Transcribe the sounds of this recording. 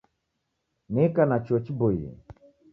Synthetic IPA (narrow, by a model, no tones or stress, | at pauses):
nɛkanat͡ʃɔt͡ʃibɔjḭ